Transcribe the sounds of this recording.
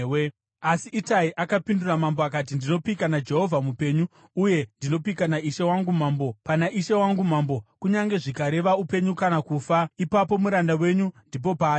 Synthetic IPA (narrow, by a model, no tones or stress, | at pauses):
we | asiʔːtaiʔakapinduramamboakat̬indino̞pikanad͡ʒe̞ɦo̞vʱamupe̞ɲuː | je̞ndino̞pikanaiʃe̞waŋɡum̤aːmbo̞panaʔiʃewaŋɡum̤ambo̞kuɲaŋɡe̞ʐikaɾe̞ʋaupe̞ɲukanakuːfaipapo̞muɾandawe̞ɲundip̬o̞paː